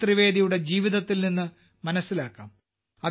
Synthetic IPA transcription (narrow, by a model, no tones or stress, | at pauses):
t̪riʋe̞ːd̪ijuɽe̞d͡ʑiːʋiðɐt̪ːilninːɨ | mɐnɐsːilaːkːa̰ːm | ɐð